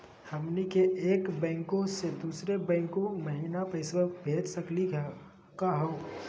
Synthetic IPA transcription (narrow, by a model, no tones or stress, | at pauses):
hɐmnikeeːkbɛ̃ːŋkõsed̪uːsɾebɛ̃ːŋkõmɐɦiːnapɐɪswəbʱeːd͡ʒ̪səkli | kaɦoː